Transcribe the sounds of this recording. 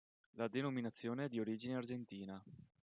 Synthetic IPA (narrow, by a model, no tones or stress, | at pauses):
lad̪enominat̪sːjoːneɛd̪ioɾiːd͡ʒineard͡ʒent̪iːna